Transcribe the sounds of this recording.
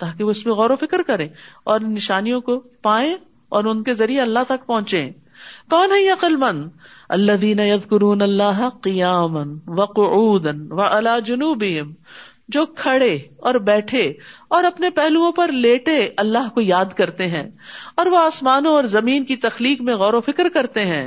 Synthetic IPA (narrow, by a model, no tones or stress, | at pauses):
t̪aːkeʋoɪsmẽɣɔːɾofɪkɾkɐɾẽːɔːɾnɪʃaːnijõkopaːẽ | ɔːɾʊnkezɐɾieɐlːaɦt̪ɐk̚pɔ̃ɦʊ̃t͡ʃḛ̃ː | kɔːnɦɛɐqəlmɐ̃nd̪ɐlːɐðiːnɐjɐðkʊɾuːnɐlːaːɦɐqɪjaːmɐnʋɐqʊʔuːd̪ɐnʋɐʔɪlaːd͡ʒʊnuːbɪɦɪm | d͡ʒoːkʰɐɽeɔːɾbɛːʈʰeɔːɾɐpnepɛɦluõpɐɾleːʈeɐlːaɦkojaːd̪kɐɾt̪eɦɛ̰̃ːɔːɾʋoaːsmaːnõɔːɾzɐmiːnkit̪ɐxliːkmẽɣɔːɾofɪkɾkɐɾt̪eɦɛ̃ː